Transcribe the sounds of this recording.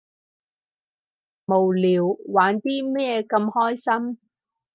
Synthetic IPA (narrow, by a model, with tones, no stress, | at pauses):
mo˨˩wliː˨wwaː˨˥nt̪iː˥mɛː˥kɐ˧mhɔː˥jsɐ˥m